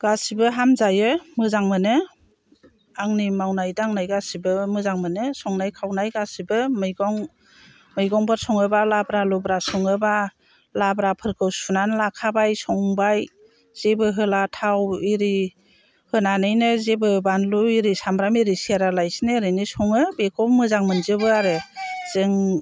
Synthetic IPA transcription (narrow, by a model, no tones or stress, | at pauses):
ɡ̥asibɯɦamzajɯmɯzaŋmɯnɯ | aŋnimawnajdaaŋnajɡasibɯmɯzaŋmɯnɯsɔŋnajkʰawnajɡasibɯmɯjɡɔŋ | mɯjɡɔŋbʰɯɾsɔŋɯbalabɾalɔbɾasɔŋɯba | labɾapʰɯɾkʰɯwsunanlakʰabajsɔŋbaj | z̥ebɯɦɯlatʰawiɾi | hɯnanɯjnɯzebɯbanluiɾisamɾamiɾisiaɾalajsnɯɾɯnisɔŋɯbekʰɔmɯzaŋmɯnzɯbɯaɾɯz̥ɯŋ